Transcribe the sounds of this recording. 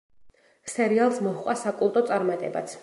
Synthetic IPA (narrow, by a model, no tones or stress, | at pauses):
sɛɾialˠsmɔhqʼasakʼulˠt̪ʼɔt̪sʼaɾmat̪ʼɛ̰ba̰t̪sʰ